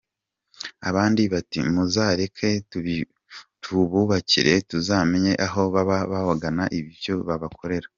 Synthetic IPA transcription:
aβaːndiβatḭmuzaːɾekʰe̞tu | tʰuβuβacḭɾe̞tuzaːmeɲe̞ʔaɦo̞βaβaβaβaɡanaʔiβiβjoβaβakʰo̞ɾe̞ɾa

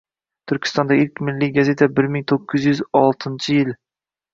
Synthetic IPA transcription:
t̪ʰʊɾkʲʰɪ̥st̪ɒnd̪aɪlkʲmɪlːiɡaze̞t̪ʰabɪɾmɪŋt̪ʰoqʰːʊzjyzɒlˠt̪ʰɪnt͡ʃʰɪjɪl

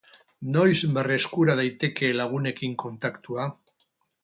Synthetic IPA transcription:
no̞jzβereskuɾað̞ajt̪e̞ke̞laɣ̞une̞kiŋko̞nt̪akt̪ua

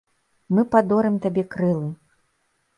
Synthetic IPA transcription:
mɨpad̪ɔɾɨmt̪abʲɛkɾɨlˠɨ

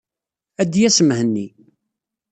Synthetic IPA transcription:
æd̪jæsəmhənːi

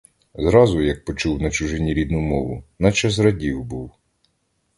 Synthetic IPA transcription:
zɾɑzʊjɐk̚pɔt͡ʃuwnɐt͡ʃʊʒɪnʲiɾʲid̪nʊmɔʋʊnɐt͡ʃɑsɾɐdʲiwbuw

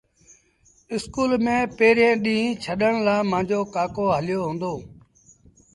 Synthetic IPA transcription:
ɪskuːlmẽːpeːɾẽːɗĩːt͡ʃʰəɗəɳlaːmãːɲd͡ʒoːkaːkoːɦəlɪjoːɦõːnd̪oː

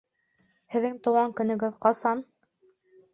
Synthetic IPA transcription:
hɘ̆ðːɘŋt̪ŏwʁɑŋkɵ̆nɘ̆ɡɘðqɑsɑn

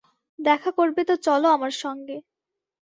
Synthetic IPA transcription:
d̪ɛkʰakoɾbet̪ot͡ɕɔloamaɾʃɔŋɡe

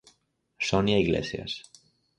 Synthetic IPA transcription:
sɔnjaiɣlḛsja̰s

